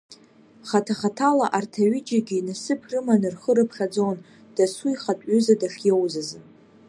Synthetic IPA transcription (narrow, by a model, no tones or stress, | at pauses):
χatʰaχatʰalaʔartʰaɥid͡ʒaɡʲiːnasɨpʰrɨmanɨrχəɾɨpʰχad͡zon | d̥asuiχatʷʼʏzadaʂjewzazɨ